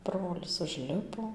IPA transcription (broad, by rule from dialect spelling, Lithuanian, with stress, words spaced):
ˈbroːlʲɪs ʊʒʲˈlʲɪpoː